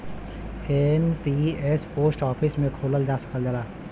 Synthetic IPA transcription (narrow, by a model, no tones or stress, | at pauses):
enpiespoːsʈɔːpʰɪsmẽkʰoːləld͡ʒaːsə̥kəld͡ʒəlaː